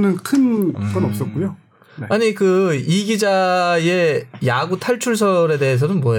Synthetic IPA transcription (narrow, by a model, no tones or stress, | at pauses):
nɯnkʰɯnɡʌnʌp̚s͈ʌt̚k͈ujo | neaɲikɯiɡid͡ʑaje̞jaɡutʰaɭt͡ɕʰuɭs̬ʰʌɾe̞de̞es̬ʰʌnɯnmwʌeo